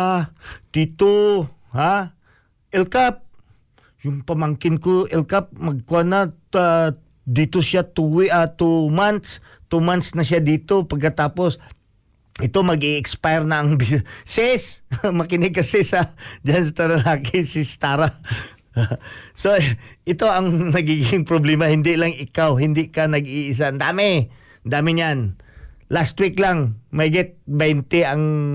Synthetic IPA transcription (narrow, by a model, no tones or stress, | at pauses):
at̪it̪oha | ʔɛlkap̚ | jʊŋpɐmaŋkɪnkoʔɛlkap̚mɐɡ̚kanaa | d̪it̪osat̪uwɪʔat̪umant̪s | t̪umant̪snɐsjad̪iːt̪opɐɡ̚kɐt̪aːpos | ʔɪt̪omɐɡiʔɛkspajɾnɐɐŋbisɪsmɐkɪnɪɡ̚kɐsɪsɐd͡ʒanst̪ɐnɐlaːkɪsɪst̪aːɾa | soʔɪt̪o̞ʔɐŋnɐɡiːɡɪŋpɾoblɛmahɪnd̪ɪlaŋɪkawɦɪnd̪ɪkanɐɡiʔɪs̬and̪aːmɪ | d̪aːmɪɲan | last̪wiklaŋmɐjɡɪt̪̚bɛjnt̪ɛɐŋ